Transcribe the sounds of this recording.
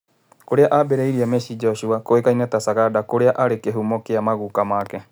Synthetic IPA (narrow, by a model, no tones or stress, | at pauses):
koɾeaʔabɛɾɛiɾiamɛʃid͡ʒɔʃuakoekainɛt̪asaɣadakoɾeaʔaɾekeɦumokeamaɣukamakɛ